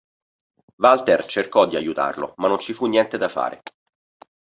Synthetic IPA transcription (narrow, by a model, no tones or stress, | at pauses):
valt̪ert͡ʃerkɔd̪ːiajut̪a̰rlo̰manːont͡ʃifunːjɛnt̪ed̪afa̰ːɾʔḛ